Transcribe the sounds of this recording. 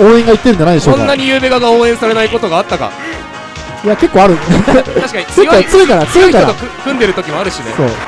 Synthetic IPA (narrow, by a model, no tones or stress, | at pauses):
oːẽ̞ŋɡait̪ːeɾɯ̟nd͡ʑanaid̪eɕoonkaːaɲ̟ijɯːbeɡaɡaoːẽ̞saɾe̞naiko̞t̪o̞ɡaːt̪ːaka̰ | ijake̞kːoːaɾɯ̟aɕi̥kaɲiejoːot͡sɨɾɯkaɾasɨɯkaoat̪ːokɯkɯ̟̃nd̪e̞ɾɯ̟t̪o̞kʲimo̞aɾɯ̟ɕinḛso̞̰ː